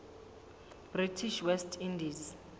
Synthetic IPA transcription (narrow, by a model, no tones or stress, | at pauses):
b̥ritʰiʃwɛstʰindiz